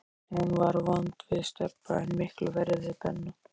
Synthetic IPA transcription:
hunvaɾvɔnt̪vɪðst̪ɛpːa̰ɪnmɪhklvɛɾðɪθɛ̰nːʏ

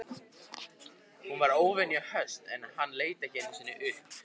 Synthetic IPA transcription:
hunvaɾoːwvɛnjahœst̪ɛnaðhanːleːjt̪açeːnɪmsɪːnːɪʔʏhp

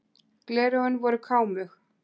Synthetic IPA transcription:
klɛːɾɔʏnvɔɾʏkʰaːwmʏx

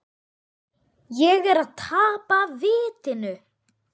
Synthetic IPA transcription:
jɛɣɛɾaðt̪ʰaːpavɪːt̪ɪnʏ

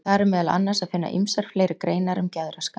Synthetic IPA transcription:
θaɾɛɾmɛːðala̰nːasaðfɪnːa̰ʔḭmsaɾ̥fleːjɾɪkɾeːjnaɾʏmcɛðɾaska

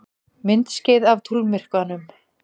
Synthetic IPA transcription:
mɪnt̪scɪðavt̪ʰulmɪr̥kvanʏm

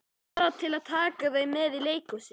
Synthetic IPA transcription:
ɾat̪ʰɪlaðt̪ʰaːkaðejmɛðileːjkɔsɪ

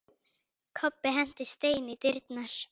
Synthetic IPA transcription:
kʰɔpːɪɦɛn̥t̪ɪ̥st̪eːjnɪt̪ɪɾt̪naɾ̥

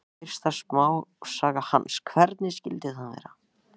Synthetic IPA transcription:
ɪr̥st̪asmaːwsaːɣahanːskʰvɛɾt̪nɪscɪlt̪ɪθanvḛjɾa

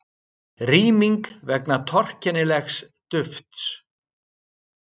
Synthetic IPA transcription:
riːmiŋkvɛknat̪ʰɔr̥cɛnɪlɛxs | t̪ʏft̪s

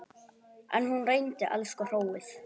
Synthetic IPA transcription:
ʔa̰nhunrejnt̪ɪʔa̰lskɔr̥owɪθ

